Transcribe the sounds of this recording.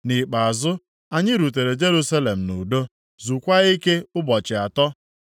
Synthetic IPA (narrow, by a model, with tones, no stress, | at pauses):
nɪ˨k͡pa˨a˨zʊ˦ | a˨ɲɪ˦ɾu˨t̬e˨ɾe˨d͡ʒe˦ɾu˦sa˦le˨m̩˨nu˨do˦ | zu˨kʷa˦i˦ke˦ʊ˦bɔ˨t͡ʃɪ˨a˨tɔ˦